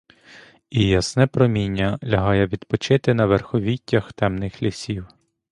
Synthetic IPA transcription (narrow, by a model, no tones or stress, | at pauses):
ijɐsnɛpɾɔmʲinʲːɐlʲɐɦɑjɛʋʲid̪pɔt͡ʃɪt̪ɪnɐʋerxɔʋʲitʲːɐxt̪ɛmnɪxlʲisʲiw